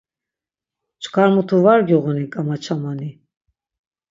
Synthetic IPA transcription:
t͡ʃkʰʼaɾmut̪ʰuvaɾɡuʁunikʼamat͡ʃʰamani

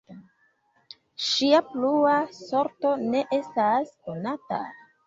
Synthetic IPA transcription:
ʃiapluaso̞ɾto̞ne̞ʔe̞stasko̞nata̰

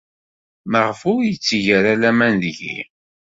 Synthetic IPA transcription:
məʁfʊɾjət͡sːiʝəɾælæmænðʝḭ

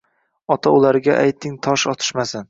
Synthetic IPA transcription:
ɒt̪ʰaʊlaɾɡʲaʔajt̪ʰɪŋt̪ʰɒʃɒt̪ʰɪ̥ʃmasan

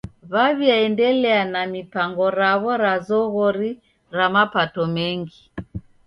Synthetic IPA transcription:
βaβjiaɛndɛlɛanamipaŋɡɔɾaβɔɾazɔɣɔɾi | ɾamapatɔmɛŋɡi

